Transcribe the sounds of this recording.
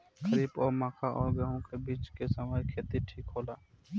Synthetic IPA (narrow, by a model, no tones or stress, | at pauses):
kəɾiːbɔːɾmãːkʰaʔɔːɾɡəɦõkebiːt͡ʃkesəməjkʰeːt̪iʈʰiːkɦoːlaː